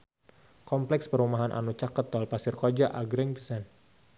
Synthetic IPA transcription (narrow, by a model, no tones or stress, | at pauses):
kɔmplɛkspəɾumaɦanʔa̰nut͡ʃakət̪ːɔlpasɪrkod͡ʒaʔaɡɾɛŋpəsan